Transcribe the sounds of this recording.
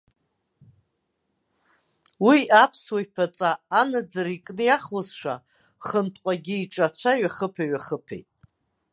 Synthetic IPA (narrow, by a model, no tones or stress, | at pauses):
wiapʰswajpʰat͡sʼaːnad͡zaɾikʼnɨjaχozʃʷᶣa | χəntʼqʷʼaɡʲiːʈ͡ʂʼat͡ɕʷʰaɥaχəpʰaɥaχəpʰḛjtʼ